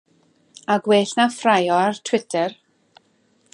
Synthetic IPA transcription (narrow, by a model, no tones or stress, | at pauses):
aɡweːɬnafrajɔartʰw̥ɪtʰɛr